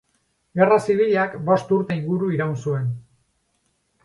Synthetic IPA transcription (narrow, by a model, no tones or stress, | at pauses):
ɡe̞rasiβ̞iʎakbo̞st̪uɾt̪e̞iŋɡuɾuiɾawnsue̞n